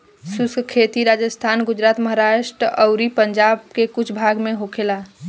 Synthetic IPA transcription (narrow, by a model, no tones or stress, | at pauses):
suskʰet̪iɾad͡ʒəst̪ʰanɡʊd͡ʒɾat̪məɦaɾaʃʈɾəəʊɾipəɲd͡ʒabkekʊt͡ʃʰbʱaɡmeɦokʰela